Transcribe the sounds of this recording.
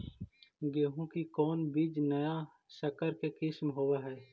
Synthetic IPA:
ɡeːɦũkikɔːnbid͡ʒnɐja | səkəɾkekɪsmɦoːwaɦɛː

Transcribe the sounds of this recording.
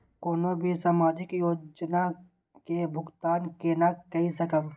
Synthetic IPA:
koːnobʱisaːmaːd͡ʒɪkjoːd͡ʒna | kebʱʊɡt̪aːnkeːnakɐɦisəkəb

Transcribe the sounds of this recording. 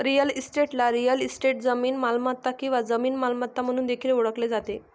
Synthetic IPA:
ɾijəlisʈeʈlaɾijəlisʈeʈ̚d͡zəmiːnmalmat̪ːakĩw̃ʋad͡zəmiːnmalmat̪ːam̤əɽ̃uːnd̪ekʰiːɾoɽəkled͡zat̪e

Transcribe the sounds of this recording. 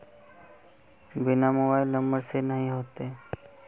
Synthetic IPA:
bɪnamobaːɪlːəməɾsenəɦĩɦoːt̪e

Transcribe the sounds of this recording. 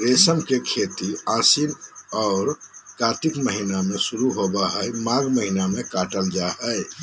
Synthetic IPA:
ɾesəmkekʰet̪iãsinɔʊɾkat̪ikməɦinamesuɾuɦobəɦəjmaɡməɦinamekaʈəld͡ʒaɦəj

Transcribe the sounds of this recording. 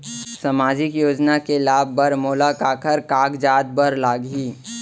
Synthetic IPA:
sɐmaːd͡ʒɪkjoːd͡ʒnakelaːbːəɾmoːlakaːkʰəɾkaːɡd͡ʒaːd̪̚bəɾlaːɡiː

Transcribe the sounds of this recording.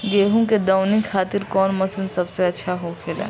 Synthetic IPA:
ɡeːɦũked̪aʊnikkʰːaːt̪ɪɾkɔːnmɐsənsɐbseɐtːʃʰaɦokʰeːla̰ː

